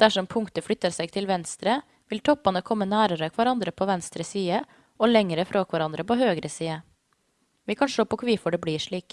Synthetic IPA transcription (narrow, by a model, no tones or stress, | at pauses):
d̪̥æʂɔmpʰʊŋkt̪əflʏt̪ːəɾsæɪɡt̪ʰɪlʋɛnst̪ɾə | ʋɪlt̪ʰɔpːɑnəkʰɔmːənæːɾəɾəkʰʋæɾɑnd̪ɾəpʰoːʋɛnst̪ɾəsiːə | ɔlɛŋəɾəfɾoːkʰʋæɾɑnd̪ɾəpɔɦøːɡɾəsiːə | ʋɪkʰɑnʂɭoːpɔkʰʋiːfɔɖɛbliːʂɭiːk